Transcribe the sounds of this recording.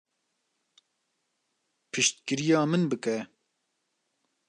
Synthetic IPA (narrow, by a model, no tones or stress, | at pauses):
pʰɨʃt̪̚kɨɾijɑːmɨnbɨkɛ